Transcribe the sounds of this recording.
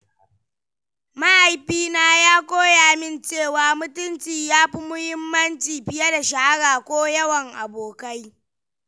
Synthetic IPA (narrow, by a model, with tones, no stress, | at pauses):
ma˦ʔa˨jɸiː˦naː˦jaː˦kʷoː˦jaː˨mɪ˦˨nt͡ʃeː˦˨waː˨mʊ˦tʊ˦nt͡ʃiː˨jaː˦ɸi˦mʊ˦hɪ˦mːɐ˦nt͡ʃiː˨ɸɪ˦jɐ˦da˨ʃa˨a˦ɽaː˨kʷoː˦jɐ˦wɐ˨ŋʔa˨boː˨ka˦j